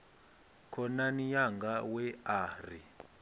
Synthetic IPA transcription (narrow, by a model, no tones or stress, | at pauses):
kʰɔnanijaŋɡawɛaːr̤i